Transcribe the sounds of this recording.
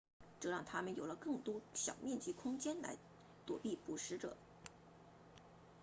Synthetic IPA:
ʈ͡ʂɤ˥˧ɻɑ˥˩ŋt̪ʰa˥mə˨njo˨˩ʊlə˦kɤ˥˩ŋt̪wɔ˥ɕjɑ̰˨˩ʊmjɛ˥˧nt͡ɕyi˥˩kʰʊ˥ŋt͡ɕjɛ˥nla̰˧˥ɪ | t̪wɔ˨˩pi˥˩pu˨˩ʂɻ̩˧˥ʈ͡ʂɤ̰˨˩˦

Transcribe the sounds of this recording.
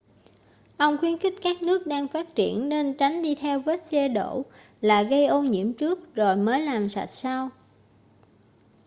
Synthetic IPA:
ʔə˧wŋ͡mxwi˨˦ənxï˦˥k̟̚kaː˦˥k̚nɨ˦˥ək̚ɗaː˧ŋfaː˦˥t̚t͡ɕḭ˧˩˨ənːe˧nt͡ɕa˨˦jŋ̟ɗi˧t̪ʰɛ˧wvə˦˥t̚sɛ˧ɗo̰˧˩˨ | laː˨˩ɣə˧jʔo˧ɲḭ˧˥əmt͡ɕɨ˦˥ək̚zo˨˩jməː˨˦jlaː˨˩msa̰˨˩t̚sa˧w

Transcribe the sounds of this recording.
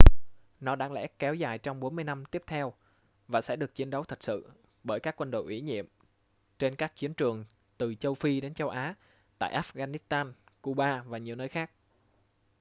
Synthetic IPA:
nɔ˨˦ɗa̰ː˧˥ŋlɛ̰˧˥kɛ˨˦wzaː˨˩jt͡ɕɔ˧wŋ͡mɓo˨˦nmɨ˧əjna˧mt̪i˦˥əp̚t̪ʰɛ˧w | vaː˨˩sɛ̰˧˥ɗɨ˨˩ək̚t͡ɕi˨˦ənɗə˨˦wt̪ʰə˨˩t̚sɨ̰˧˨ | ɓəː˧˩jkaː˦˥kːwə˧nɗo̰˧˨ʔwḭ˧˩ɲḭ˧˨əm | t͡ɕe˧nkaː˦˥k̚t͡ɕi˨˦ənt͡ɕɨ˨˩əŋ | t̪ɨ˨˩t͡ɕə˧wfi˧ɗe˨˦nt͡ɕə˧wʔaː˨˦ | t̪a̰ː˧˨ʔaː˦˥fɣaː˧ni˦˥st̪aː˧nku˧ɓaː˧vaː˨˩ɲi˨˩əwnəː˧jxaː˦˥k̚

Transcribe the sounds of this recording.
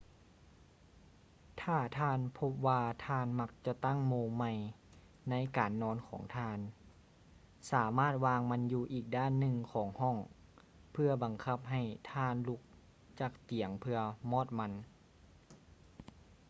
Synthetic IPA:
t̪ʰaː˧˩t̪ʰaː˧˨npʰo˧˥p̚waː˧t̪ʰaː˧˩˨nma˧˥k̚t͡ɕa˧t̪a˥˩˨ŋmoː˧ma˧˩j | na˧˥jkaː˨nːɔː˧˥nkʰɔ̰ː˩˦ŋt̪ʰaː˧˨n | saː˩˦maː˥˩t̪̚waː˧ŋma˧˥njuː˧ʔiː˨˩k̚daː˥˨nːɯ˧ŋkʰɔː˩˦ŋhɔ˥˩ŋ | pʰɯ˧ɐba˨˩ŋkʰa˧p̚ɦa˧˩jt̪ʰaː˧˩nlu˧˥k̚ | t͡ɕa˧˩k̚t̪i˨˩˦əŋpʰɯ˧ɐmɔː˥˩t̪̚ma˧˥n

